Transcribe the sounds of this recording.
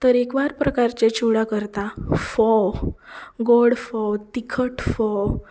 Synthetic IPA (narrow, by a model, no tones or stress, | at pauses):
t̪əɾekʋaɾpɾəkaɾt͡ɕet͡ɕʰuɽakəɾt̪afɔw | ɡoɽfɔwt̪ikʰəʈfɔw